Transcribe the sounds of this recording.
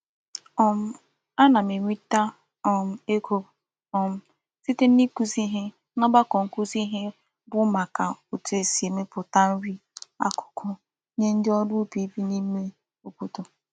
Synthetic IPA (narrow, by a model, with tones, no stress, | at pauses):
ɔ˨m̩˦ | a˦na˨me˨ŋʷi˦ta˦ | ɔ˨m̩˨e˦kʰo˦ | ɔ˨m̩˦ | si˦te˦m̩˦ni˦ku˦zi˦ɦe˦ | nɔ˦ba˦kɔ˨ŋ̩˨ku˦zi˦ɦe˦ | bʊ˦ma˨ka˨u˨tu˦e˨si˨e˨me˦pʊ˨ta˦n̩˦ɾi˦a̰˦kʊ̥˨kʰʊ˦ | ɲe˦n̩˦dɪ˦ɔ˦dʊ˦pi˨˦bi˦ni˦me˦ | o˨ku˦to˨